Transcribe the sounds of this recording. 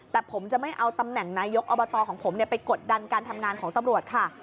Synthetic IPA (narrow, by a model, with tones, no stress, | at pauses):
t̪ɛː˨˩pʰo˩˦mt͡ɕa˨˩ma˥˩jʔa˧wt̪a˧mnɛ˨˩ŋnaː˧jo˦˥k̚ʔoː˧bɔ˧t̪ɔː˧kʰɔː˩˦pʰo˩˦mni˥˩ɐpa˧jko˨˩t̪̚da˧nkaː˧nt̪ʰa˧mŋaː˧nkʰɔː˩˦ŋt̪a˧mɾu˨˩ət̪̚kʰa˥˩